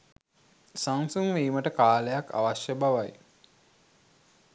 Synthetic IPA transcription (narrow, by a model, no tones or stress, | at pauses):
saŋsuŋʋeːməʈəkaːləjaka̰ʋaʃjəbaʋaj